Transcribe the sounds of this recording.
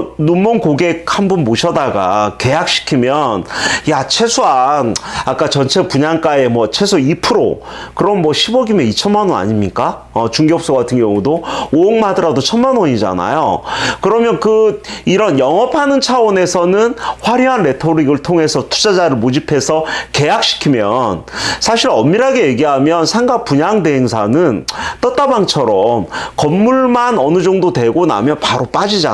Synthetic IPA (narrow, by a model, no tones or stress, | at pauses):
numːonkoɡe̞k̚hanbunmoɕʰʌdaɡa̰ke̞jak̚ɕ͈ʰi̥kʰimjʌnjat͡ɕʰe̞sʰuanak͈at͡ɕʌnt͡ɕʰe̞puɲaŋk͈ae̞mwʌt͡ɕʰe̞sʰuipʰɯɾo̰ | kɯɾʌnmwʌɕʰibʌɡimeit͡ɕʰʌnmanwona̰ɲimɲik͈a | ʌt͡ɕuŋɡjʌp̚s͈oɡatʰɯnɡjʌŋudoooŋmadɯɾadot͡ɕʰʌnmanwʌɲid͡ʑa̰na̰jo̰kɯɾʌmjʌnkɯiɾʌnjʌŋʌpʰanɯnt͡ɕʰawʌne̞sʰʌnɯnɸwaɾjʌɦanɾe̞tʰoɾiɡɯɭtʰoŋe̞sʰʌtʰu̥d͡ʑad͡ʑaɾɯɭmod͡ʑipʰe̞sʰʌke̞jak̚ɕ͈i̥kʰimjʌnsʰaɕʰiɾʌmːiɾaɡe̞je̞ɡiɦamjʌnsʰaŋɡapuɲaŋde̞ɦeŋsʰanɯnt͈ʌt͈abaŋt͡ɕʰʌɾʌmkʌmːuɭmanʌnɯd͡ʑʌŋdodwe̞ɡona̰mjʌnpaɾop͈ad͡ʑid͡ʑa